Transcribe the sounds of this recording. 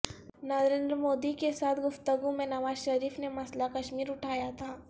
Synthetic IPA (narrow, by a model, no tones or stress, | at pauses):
nɐɾɾẽːnd̪ɾəmoːd̪ikesaːt̪ʰɡʊft̪əɡũmẽnɐʋaːzʃɐɾiːfnemɐslakɐʃmiːɾʊʈʰaːjat̪ʰaː